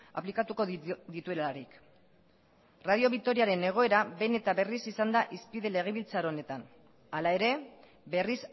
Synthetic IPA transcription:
a̰plikat̪uko̞ðit̪ue̞laɾik | rað̞io̞βik̚t̪o̞ɾiaɾe̞ne̞ɣ̞o̞e̞ɾaβe̞ne̞t̪aβe̞risisand̪aʔispiðe̞le̞ɣ̞eβilt͡saɾo̞ne̞t̪an | alae̞ɾe̞ | be̞ris

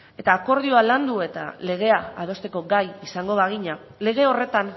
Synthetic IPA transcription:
e̞t̪aːko̞ɾð̞ioaland̪ue̞t̪a̰le̞ɣ̞e̞aað̞o̞st̪e̞ko̞ɡajisaŋɡo̞βaɣ̞iɲa | le̞ɣ̞e̞o̞re̞t̪an

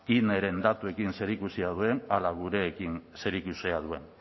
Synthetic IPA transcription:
kine̞ɾe̞nd̪at̪ue̞kinse̞ɾikusiað̞ue̞nalaɣuɾe̞ːkinse̞ɾikuseaðue̞n

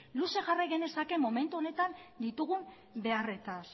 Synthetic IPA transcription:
luse̞ʝarajɣene̞sake̞mo̞me̞nt̪uo̞ne̞t̪and̪it̪uɣum | be̞are̞t̪as

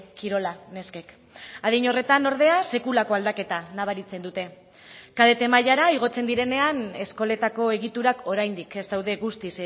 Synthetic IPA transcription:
kiɾo̞lane̞ske̞k | aðiɲo̞re̞t̪ano̞ɾð̞e̞ase̞kulako̞ald̪ake̞t̪anaβ̞aɾit͡se̞nd̪ut̪e̞ | kaðe̞t̪e̞maʎaɾaiɣ̞o̞t͡se̞nd̪iɾe̞ne̞ane̞sko̞le̞t̪ako̞e̞ɣ̞it̪uɾakʰo̞ɾajnd̪ike̞st̪awðe̞ɣust̪is

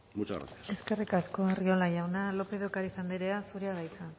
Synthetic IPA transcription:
mut͡ʃa̰ɾa̰niḁe̞ske̞rikasko̞erio̞laʝawnalo̞pe̞ðo̞kaɾisand̪eɾeasuɾeaðajt͡sa

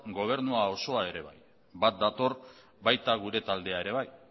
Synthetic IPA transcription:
ɡo̞β̞e̞ɾnuao̞so̞ae̞ɾe̞βa̰j | bat̪̚d̪at̪o̞r | bajt̪aɣuɾe̞t̪ald̪e̞ae̞ɾe̞β̞aj

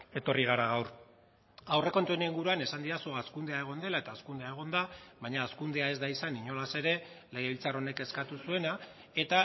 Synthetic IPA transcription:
e̞t̪o̞riɣ̞aɾaɣ̞awr | awre̞ko̞nt̪ueneŋɡuɾuane̞sand̪iɾasuaskund̪e̞ae̞ɣ̞o̞nd̪e̞lae̞t̪aːskund̪eae̞ɣ̞o̞nd̪aβajɲaːskund̪e̞ae̞zd̪aisaniɲo̞lase̞ɾe̞ | lejaβilt͡saro̞ne̞ke̞skat̪usue̞na | e̞t̪a

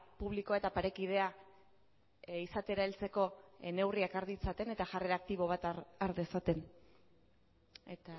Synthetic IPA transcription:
puβ̞likoae̞t̪apaɾe̞kið̞e̞a | isat̪e̞ɾaelt͡se̞ko̞ene̞wriakaɾðit͡sat̪e̞ne̞t̪aʝare̞ɾak̚t̪iβ̞o̞β̞at̪aɾðe̞sat̪e̞n | et̪a

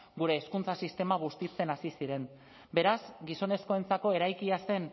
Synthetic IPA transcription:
ɡuɾe̞ːskunt͡sasist̪e̞maβ̞ust̪it͡se̞nasisiɾe̞n | be̞ɾazɡiso̞ne̞sko̞e̞nt͡sako̞e̞ɾajkiase̞n

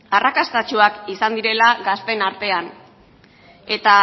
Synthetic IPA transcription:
arakast̪at͡ʃuakisand̪iɾe̞laɡaspe̞naɾt̪e̞an | e̞t̪a

